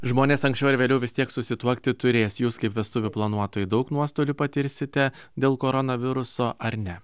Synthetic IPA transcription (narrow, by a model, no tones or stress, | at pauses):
ʒmoːnʲeːsɐŋksʲt͡ʃʲɛʊɾʋʲeːlʲɛʊʋʲɪst̪ʲiɛksʊsʲɪt̪uɔkt̪ʲɪt̪ʊɾʲeːsjuːskɐɪpʋʲɛst̪ʊʋʲuplˠɐnuɔt̪oːjud̪ɒʊknuɔst̪oːlʲʊpɐt̪ʲɪɾʲsʲɪt̪ʲɛ | d̪ʲeːlˠkoːɾɔnɐʋʲɪɾʊsoːʔɐɾnʲɛ